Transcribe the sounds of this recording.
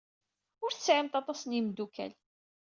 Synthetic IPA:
ʊɾθəsʕamt̪ɑt̪ˤɑsənjimd̪ukæ̰l

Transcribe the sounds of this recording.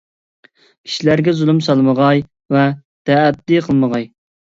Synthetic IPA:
kʲʰi̥ʃilæɾɡʲɛzulˠɨmsɑlˠməʁɑj | vɛ | d̪̥ɛːd̚d̪iqʰəlˠməʁɑj

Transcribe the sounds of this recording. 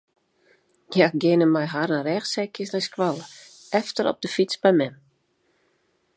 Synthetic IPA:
jaɡɪnəmɛjɦaɾərɛxsɛjkɪsnɛjskwalˠə | ɛftəɾɔ̰p̚dəfit͡sbɛjmɛm

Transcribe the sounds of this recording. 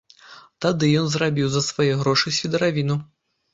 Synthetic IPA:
t̪ad̪ɨjɔnzrabʲiwzɐsvajɛɣɾɔʂɨsʲvʲid̪ɐɾavʲinu

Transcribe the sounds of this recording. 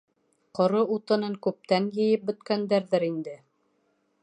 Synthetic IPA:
qŏɾɤut̪ɤ̆nɤŋkʉp̚t̪æŋjɘ̆jɘp̚bɵ̆t̪kænd̪æɾðɘɾind̪ɘ

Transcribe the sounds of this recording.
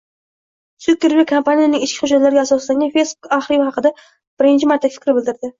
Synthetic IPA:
sukʲːeɾvekʰampanijanɪŋɪʃkʲɪ̥χʊd͡ʒat̪laɾɪɡʲasɒslaŋʲanfe̞jsbukaχɾivhɑqɨd̪a | b̥ɪɾɪnt͡ʃʰɪmaɾt̪ʰːakʲfɪ̥kʲɾɪbɪlˠd̪ɪɾd̪ɪ

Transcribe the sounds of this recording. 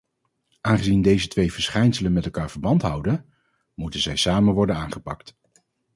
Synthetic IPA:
ʔaːnχəzindejzətʋejv̥əɹsχɛjnsələnmɛtɛlˠkaːɹv̥əɹbɑntɦʌwdən | mutənzɛjsaːmənʋɔɹdənaːnχəpɑ̰kt

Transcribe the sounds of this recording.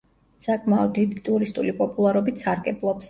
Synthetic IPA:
sakʼmaɔd̪̚ːid̪it̪ʼuɾist̪ʼulipʼɔpʼulˠaɾɔbit̪saɾɡʼɛblˠɔps

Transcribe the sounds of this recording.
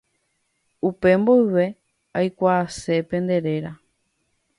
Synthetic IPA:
upe̞mbojʋe̞ | ajkʷaːse̞pẽ̞nd̪e̞ɾe̞ɾa

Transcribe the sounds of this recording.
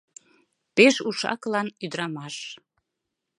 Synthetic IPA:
peʃuʃɑ̰klɑnyd̪ɾɑmɑʃ

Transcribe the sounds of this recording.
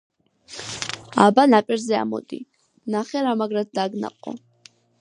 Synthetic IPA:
abanapʼɛɾzɛa̰mɔ̰d̪ḭ | naχɛɾamaɡɾat̪̚d̪aɡna̰qʼɔ̰

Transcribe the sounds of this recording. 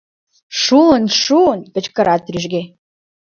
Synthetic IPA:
ʃulənʃuənpə̆t͡ɕkə̆ɾʔɑt̪ryʒɡe

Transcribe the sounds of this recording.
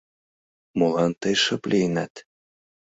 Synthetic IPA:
molɑnt̪əjʃəplʲijnæt̪

